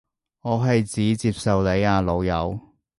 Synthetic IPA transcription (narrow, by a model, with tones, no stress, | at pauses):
ŋɔː˨˧ɦɐ˨jt͡siː˨˥t͡siː˧p̚sɐ˨wle˨˧jaː˨˧lo˨˧wjɐ̰˨˧w